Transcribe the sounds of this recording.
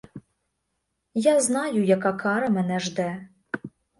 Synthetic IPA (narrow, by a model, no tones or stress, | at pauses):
jaznɑjujakakʰɑɾɐmɛnɛʐd̪ɛ